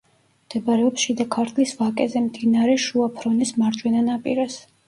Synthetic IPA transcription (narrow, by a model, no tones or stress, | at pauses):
md̪̥ɛbɾɛɔpsʃid̪akʰaɾt̪ʰlisvakʼɛzɛmd̪inaɾɛʃuapʰɾɔnismaɾt͡ʃʼwɛnanapʼiɾɛs